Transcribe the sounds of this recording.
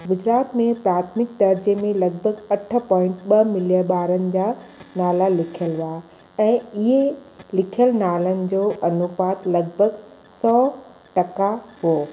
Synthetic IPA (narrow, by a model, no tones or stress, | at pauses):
ɡʊd͡ʑɾaːt̪mẽpɾaːt̪ʰmɪk̚d̪ɐɾd͡ʑemẽlɐɡ̚bʱəɡɐʈ̆ʰpɔːɪ̃ɳʈɓɐmɪljəɓaːɾənɪ̆d͡ʑaːnaːlalɪkʰijəlʋaː | ɛ̃ːɪɦelɪkʰijəlnaːlənɪ̆d͡ʑoːʔɐnʊpaːt̪lɐɡbʱəɡ | sɔː | ʈɐkaɦoː